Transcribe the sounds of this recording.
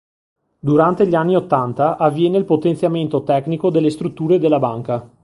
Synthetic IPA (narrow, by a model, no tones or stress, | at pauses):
d̪uɾant̪eʎianːiot̪ːant̪aʔavːjɛːneilpot̪ent̪sjament̪ot̪ɛknikod̪elːest̪ɾut̪ːuːɾed̪elːabaŋka